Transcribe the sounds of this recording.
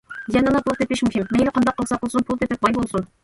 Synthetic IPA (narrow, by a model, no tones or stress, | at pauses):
ɡɛnɑnɑpʰulˠt̪ʰepɪʃmuhimːɛŋɡʲɛqʰɑnd̪ɑqːəlˠsɑqəlˠsunpʰulˠt̪ʰep̚t̪ɪp̪̚bɑjbolˠsun